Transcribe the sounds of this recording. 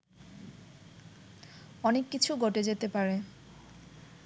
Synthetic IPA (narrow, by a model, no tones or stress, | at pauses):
ɔnekːit͡ɕʰuɡoʈed͡ʑet̪epaɾe